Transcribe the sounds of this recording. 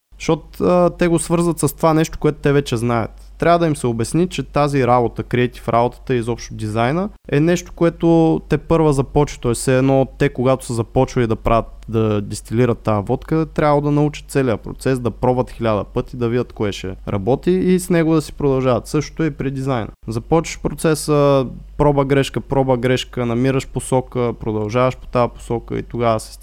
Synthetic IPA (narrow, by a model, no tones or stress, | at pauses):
ʃot̪ː | t̪ɛɡosvɤɾzvət̪səst̪ovanɛʃt̪o̥koɛt̪ʊ̥t̪ɛvɛt͡ʃɛznaɛ̰t̪ːɾʲavəd̪ɐimsɛobɛsnit͡ʃɛt̪aziɾabot̪əkɾiɛt̪ʲi̥fɾʔabot̪ə̥t̪əizɔpʃt̪od̪izajnə | ɛnɛʃt̪o̥koɛt̪ot̪ɛpɤɾvəzɐpɔt͡ʃvi̥t̪ɔɛsɛːd̪nɔt̪ːɛkoɡat̪o̥səzɐpɔt͡ʃvəlid̪ɐpɾʔavʲət̪d̪ɐd̪ist̪iliɾət̪ːaəvɔt̪kət̪ɾʲablˠod̪ɐnɐut͡ʃə̥t̪t̪sɛliəpɾo̰t̪sɛsd̪ɐpɾɔbət̪xilʲad̪əpɤt̪id̪ɐvidʲət̪koɛʃɛ̰ɾɐ̰bɔt̪iːsnɛɡod̪ɐsi̥pɾod̪ɐlˠʒavɐt̪sɤʃt̪o̥t̪oɛpɾid̪izajnə̰zɐpɔt͡ʃəʃpɾot̪sɛsəpɾɔbəɡɾɛʃkəpɾɔbəɡɾɛʃkənɐmiɾəʃposɔkəpɾod̪ɐlˠʒavɐʃpo̥t̪aəpo̥sɔkə̰ḭt̪oɡavəsɛ̥s